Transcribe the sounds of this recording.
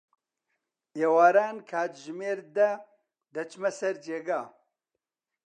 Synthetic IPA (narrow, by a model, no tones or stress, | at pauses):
eːwaːɾaːnkʰaːt̪ʒmeːɾd̪ɐ | d̪ɐt͡ʃmɐsɐɾd͡ʒeːɡaː